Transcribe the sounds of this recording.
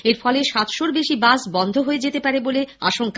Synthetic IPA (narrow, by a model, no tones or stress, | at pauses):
eɾfɔleʃat̪ʃoɾbeʃibasbɔnd̪ʱoɦoed͡ʑet̪epaɾeboleaʃoŋka